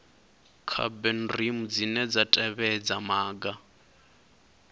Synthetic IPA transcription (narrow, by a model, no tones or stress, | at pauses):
kʰa̰bɛn̩rimud͡zinɛd͡zatʼɛβɛd͡zamaːɡa